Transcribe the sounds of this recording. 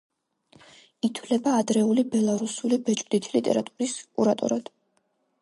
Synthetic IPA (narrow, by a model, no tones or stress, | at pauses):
it̪ʰwlɛbaːd̪ɾɛulibɛlˠaɾusulibɛt͡ʃʼbd̪it̪ʰilit̪ʼɛ̰ɾat̪ʼuɾiskʼṵɾat̪ʼṵɾad̪̥